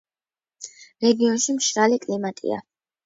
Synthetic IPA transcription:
ɾɛɡiɔnʃimʃɾalikʼlimat̪ʼḭa̰

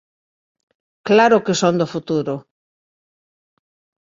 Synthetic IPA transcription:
klaɾʊkesond̪ofut̪uɾʊ

